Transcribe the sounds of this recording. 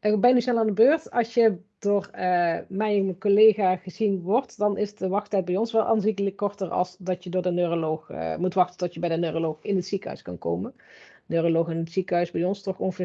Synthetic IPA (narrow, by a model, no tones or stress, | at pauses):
ʔəbɛjnysnɛlˠaːndəbøːɹtɑlˠsjəd̥oːrəmɛjnkolejxaːχəzinʋɔrtdɑnɪstəʋɑxtɛjt̚bɛjɔnsʋɛlˠʔa̰ːnzikələkːɔɹtərɑ̰lˠsdɑtjədʊːɹdənøːrolowxmutʋɑxtə̥ntɔtjəbɛjdənøːrolowxɪnɦətsikəɦœ̰ɥskɑnko̰wmənnøːrolowxɪnətsikəɦœɥsbɛjɔnstɔχɔvə